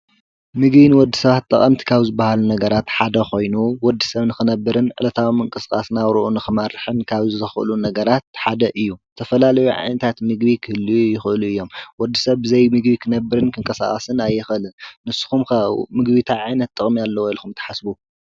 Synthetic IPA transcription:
mɨɡbinwɔd̪ːi̥sɐβat̪ʼːɐχʼɐmt̪ʰi̥kʰaβzɨbːahalunɐɡɐɾat̪ħad̪ɐxo̞jnuwɔd̪ːisɐβnɨxɨnɐbːɨɾɨnʕɨ̰lɐt̪ʰawimɨŋkʼɨskʼa̰snawɾɨʔunɨxɨmɐɾɨħɨnkʰaβzɨxʔɨ̰lunɐɡɐɾat̪̚ħad̪ɐʔɨjːut̪ʰɐfɐlalɐjuʕa̰jnɐt̪ʰat̪mɨɡbikʰɨhɨliujɪxɨluɨjːo̞mwɔd̪ːisɐβbɨzɐjmɨɡbikʰɨnɐbːɨɾɨnkʰɨŋkʼɐsa̰χʼɐsɨnajːɪxɨlɨnnɨsːu̥xumkɐmɨɡbit̪ʰaʕajnɐt̪̚ʼːɨχʼmialːɐwilkʰumt̪ʰɐ̥ħasbu

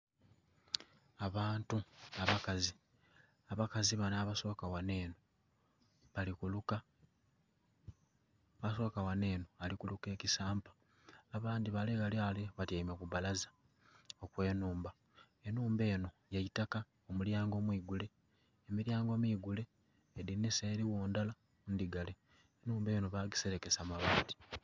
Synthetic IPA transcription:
aβaːntuaβakazi | aβakaziβanaːβaso̞ːkawane̞ːno | βalikuluka | βaso̞ːkawane̞ːnoalikuluke̞ːcisaːmpḁː | βaːndiβaleɣalialeβatiaimekuβalazḁ | okwe̞ːnuːmba | e̞nuːmbe̞ːno̞jajitaka | omuljaːŋɡo̞ːmwiːɡule̞ː | miɾjaːŋɡo̞miːɡule̞ː | diniseɾiwoːndala | ndiɡale̞ː | nuːmbe̞ːnoβaɡise̞ɾe̞ke̞samaβaːti̥

